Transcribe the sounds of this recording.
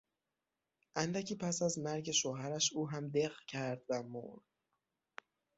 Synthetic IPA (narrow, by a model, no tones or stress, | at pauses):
ʔænd̪æcʰiːpʰæsæzmæɾɟe̞ʃoːɦæɾæʃuːɦæmd̪eɣcʰæɾd̪væmo̰ɾd̪̥